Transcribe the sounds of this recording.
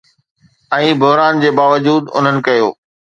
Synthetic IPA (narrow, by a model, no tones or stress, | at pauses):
ɛ̃ːbʱʊɦɾaːnd͡ʑeːbaːʋəd͡ʑuːd̪ʊ̰n̤ənɪ̆kɐjoː